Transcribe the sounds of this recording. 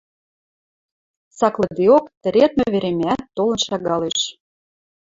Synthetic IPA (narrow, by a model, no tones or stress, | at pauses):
sɑklɤ̆d̪eokt̪ə̆ɾet̪̚møβeɾemæt̪ːolɤ̆nʃɑɣɑleʃ